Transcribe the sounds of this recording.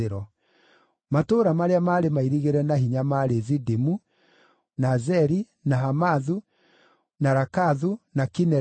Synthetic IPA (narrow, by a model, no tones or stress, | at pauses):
eɾɔ | matoːɾamaɾeamaːɾemaiɾiɣeɾɛnaɦiɲamaɾezidimu | nazɛɾi | naɦamaðu | naɾakaðunakinɛ